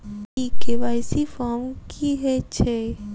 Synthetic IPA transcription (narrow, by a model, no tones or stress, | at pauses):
ikeʋajsifɔmkʰiɦɛt͡ʃʰe